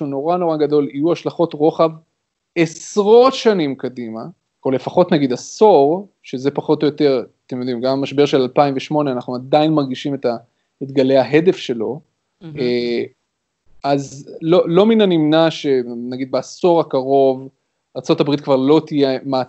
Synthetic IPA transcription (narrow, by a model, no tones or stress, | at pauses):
uno̞ʁano̞ʁaɡad̪o̞lijuaʃlaχo̞tʁo̞χav | esʁo̞t̪ʃanimkadima | ole̞faχo̞tnaɡid̪aso̞ʁ | ʃe̞ze̞paχo̞t̪o̞jot̪e̞ʁat̪emjo̞d̪imɡamamaʃbe̞ʁʃe̞lalpaimveʃmo̞neanaχnuad̪ainmaʁɡiʃime̞ta | et̪ɡale̞jaɦe̞de̞fʃe̞lo̞ | e | ʔazlolo̞minanimnaʃe̞naɡid̪̚beaso̞ʁakaʁo̞v | aʁt͡so̞tabʁit̪kvaʁlo̞t̪ijema